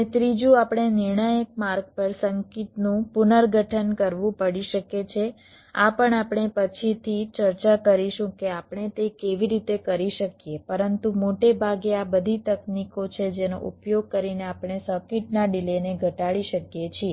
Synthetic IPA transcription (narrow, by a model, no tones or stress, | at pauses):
net̪ɾid͡ʒuapɽ̃enɪɾɳəjək̚maɾɡ̚pəɾsəŋkit̪nũpunəɾɡʱəʈʰənkəɾʋũpəɽiʃəket͡ʃʰe | apəɳapɳ̃epət͡ʃʰit̪ʰit͡ʃəɾt͡ʃakəɾiʃũkeapɽ̃et̪ekeʋiɾit̪ekəɾiʃəkjepəɾənt̪umoʈebʱaɡeabəd̪ʱit̪əknikot͡ʃʰed͡ʒeno̰ʔṵpjoɡ̚kəɾineapɽ̃esəkiʈnaɖileneɡʱəʈaɭiʃəkjet͡ʃʰie